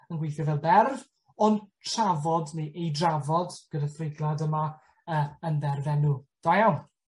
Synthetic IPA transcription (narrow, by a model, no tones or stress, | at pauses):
ənɡwejθjɔvɛlˠbɛrv | ɔntʰravɔdniʔejdravɔd̥ɡ̥ədaθrɪɡlˠadəma | əːəndɛrvɛnud̥ajawn